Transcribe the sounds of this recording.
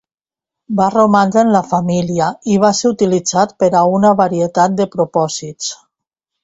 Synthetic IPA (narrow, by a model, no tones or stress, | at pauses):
baromand̪enlafamiliaiβ̞aseut̪ilid͡zat̪pəɾaunaβaɾiet̪at̪̚d̪əpɾupɔzit͡s